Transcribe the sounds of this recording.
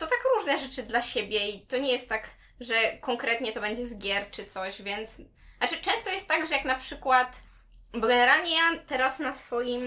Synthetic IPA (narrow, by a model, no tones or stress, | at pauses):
t̪ɔt̪akɾuʐnɛʐɛt͡ʂɘd̪laɕebʲjɛit̪ɔɲɛjɛst̪ːaɡ | ʐɛkɔŋkɾɛt̪ɲɛt̪ɔbɛɲd͡ʑɛzɡʲjɛɾt͡ʂɨt̪sɔɕvʲjɛnt̪s | nat͡ʂɘt͡ʂɛ̃st̪ɔjɛst̪ːaɡʐɛjaknapʂɘkwat̪ | bɔɡɛnɛɾalɲɛat̪ɛɾasnasfɔjim